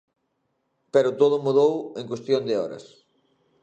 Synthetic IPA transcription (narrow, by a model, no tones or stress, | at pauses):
peɾʊt̪oðʊmuðoweŋkwest̪jond̪eɔ̰ɾɐ̰s